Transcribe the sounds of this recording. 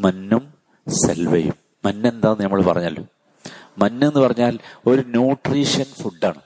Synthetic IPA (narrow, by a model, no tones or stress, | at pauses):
mɐnːum | sḛlʋɐjṵmːɐnːe̞nd̪aːnɐmːɐɭpɐrɐɲːɐlːo̰ː | mɐnːumenːɨpɐrɐɲːaːlo̞ɾunuːʈriːʂɐnfuɖːaːɳɨ